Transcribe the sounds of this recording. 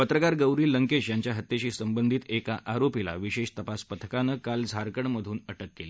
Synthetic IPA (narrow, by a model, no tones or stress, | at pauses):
pət̪ɾəkaɾɡəwɾiːlːəŋkeɕjaɲt͡ɕjaɦət̪ːeɕiːsəmbənd̪ʱiːt̪ekaʔaɾopila̰ʋiɕeɕt̪əpaspət̪ʰəkanəkald͡zʱaɾkəɳməd̪ʱuːnəʈəkːele